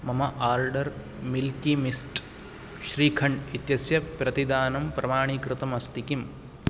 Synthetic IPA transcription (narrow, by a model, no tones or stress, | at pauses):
mɐmɐʔaːɾɖɐɾ | milkimisʈ | ʃɾiːkʰɐɳɖit̪jɐsjɐpɾɐt̪id̪aːnɐmpɾɐmaːɳ̃ikɾɨt̪ɐmɐst̪ikim